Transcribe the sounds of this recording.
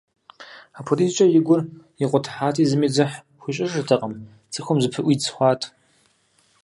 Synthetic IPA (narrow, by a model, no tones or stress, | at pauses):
apʰolit͡ʃʼɐjɪɡʷʊr | iqʷʼɔtʰħaːtʰiːzɨmid͡zɨħ | xʷiɕʼɪʂɨrtʰɐqʼəm | t͡sʼɨxʷomzɨpʰɨʔʷit͡sʰχʷɑːtʰʼ